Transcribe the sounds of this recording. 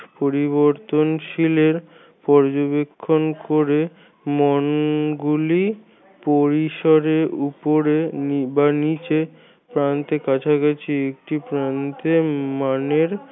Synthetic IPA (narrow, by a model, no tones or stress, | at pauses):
poɾiβoɾt̪onʃileɾ | pɔɾd͡ʑobekʰːonkoɾe | mɔnɡuli | poɾiʃoɾeɾupoɾenbanit͡ɕe | pɾant̪ekat͡ɕʰakat͡ɕʰiek̚ʈipɾant̪emaneɾ